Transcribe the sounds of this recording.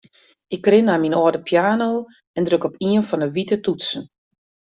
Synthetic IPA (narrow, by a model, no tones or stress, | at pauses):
ɪkːrɪnaminɔːdəpʰjaːno | ɛndrøkɔpiənfɔnəʋitətutsən̩